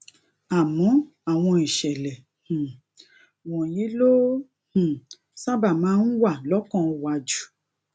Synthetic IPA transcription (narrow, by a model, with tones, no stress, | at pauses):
a˨mɔ̃˨˦ | a˨w̃ɔ̃˧i˨ʃɛ˨lɛ˨ | hũ˨ | wɔ̃˨ji˨˦lo˦ | hũ˨ | sa˦ba˦˨mãː˨˦n̩˦wa˦˨lɔ˨˦kɔ̃˦˧wa˧d͡ʒu̥˦